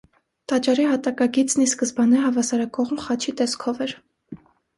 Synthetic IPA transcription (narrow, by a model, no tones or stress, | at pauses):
t̪ɑt͡ʃɑɾiɦɑt̪ɑkɑɡit͡sniskəzbɑnɛɦɑvɑsɑɾɑkɔʁmχɑt͡ʃʰit̪ɛskʰɔvɛɾ